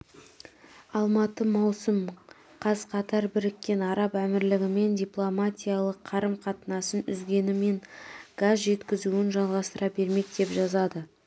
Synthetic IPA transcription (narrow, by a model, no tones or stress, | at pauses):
ɑlˠmɑt̪əmɑwsəm | qʰɑzqʰɑt̪ɑɾbɪɾɪkʲːe̞nɑɾɑpæmɪɾlɪɡʲɪme̞nd̪ʲijplˠomat̪ʲijɑlˠəqʰːɑɾəmqʰɑt̪ənɑsənʏzɡʲe̞nɪme̞ŋɡ̥azʒe̞t̪kʲɪzuɪnʒɑlˠʁɑst̪əɾʔɑbe̞ɾme̞k̚d̪̥e̞pʒɑzɑd̪ə